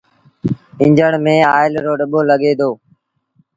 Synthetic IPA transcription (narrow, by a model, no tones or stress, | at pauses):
ɪ̃ɲd͡ʒəɳmẽːaːɪlɾoːɗəɓoːləɠeːd̪oː